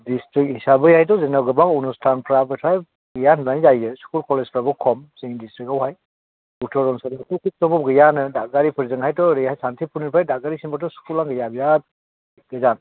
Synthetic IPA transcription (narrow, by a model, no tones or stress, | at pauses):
distɾik̚hisabɯjajt̬ɔzɛnawɡɯbaŋunustʰanpʰɾabɯtʰaj | ɡɯjannajzajɯsu̥kulkɔlezpʰɾabɔkʰɔmsiŋdistɾikawɦaj | utʰɔɾɔnsantɔkʰik̚tɔbɔp̚ɡɯjanɯdaɡaɾipʰɯɾzɯŋɦajtɔɾejajsantʰipʰuniɾpʰajdaɡaɾisimbatɔsu̥kulaŋɡɯjabijat̚ | ɡɯzan